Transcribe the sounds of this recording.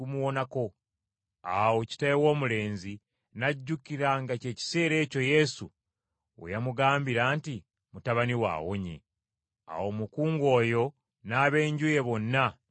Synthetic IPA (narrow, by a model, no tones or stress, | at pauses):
umuwo̞nako̞ | awo̞ci̥tajewo̞ːmule̞ːnzi | naɟːukiɾaŋɡace̞ːci̥se̞ːɾe̞ːco̞je̞sṵ | o̰jamuɡaːmbiɾaːnti | mutaβaniwa̰ːwo̰ɲe̞̰ | a̰wo̞mukuːŋɡo̞ːjo̞ | naːβe̞ːɲɟuje̞βo̞nːa